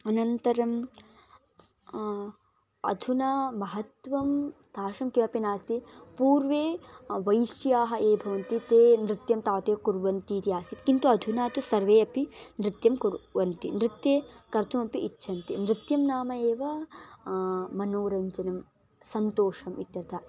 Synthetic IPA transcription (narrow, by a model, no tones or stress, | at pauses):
ɐnɐnt̪ɐɾɐm | ɐ̰d̪ʱunɐmɐɦɐt̪ʋɐmd̪̥ʱaːʃɐmkiʋɐpinaːst̪ipuːɾʋeːʋɐjʃjaːɦɐeːbʱɐʋɐnt̪it̪eːnɾɪt̪jɐmt̪aːt̪eːkuɾʋɐnt̪iːt̪iaːsit̪kint̪uɐd̪ʱunaːt̪usɐɾʋeːɐpinɾɪt̪jɐmkuɾʋɐnt̪inɾɪt̪jeːkɐɾt̪ʰumɐpiʔitːʃʰɐnt̪inɾɪt̪jɐmnaːmɐeːʋɐ | mɐnoːɾɐɲd͡ʒɐnɐm | sɐnt̪oːʂɐmʔit̪jɐɾt̪ʰa